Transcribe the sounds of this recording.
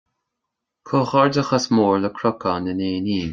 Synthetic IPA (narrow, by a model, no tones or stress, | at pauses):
kʰoːxɔɹdəxasmoːɹləkʰɾɔkanəneːniːn